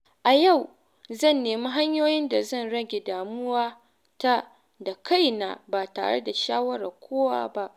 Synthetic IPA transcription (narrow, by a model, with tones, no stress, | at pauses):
ʔa˨ja˦˨w | zɐ˦˨nːeː˨mi˦ɦa˦ɲjoː˦jɪ˦nda˨zɐ˦˨nɽɐ˦ɡʲe˨daː˨mʊ˦waː˦ | ta˦ | da˨ka˦˨jna̰ː˨ba˨ta̰ː˨ɽḛ˦da˨ʃaː˦wɐ˦ɽa̰ː˨kʷʰoː˦wa̰ː˦ba˦ʔ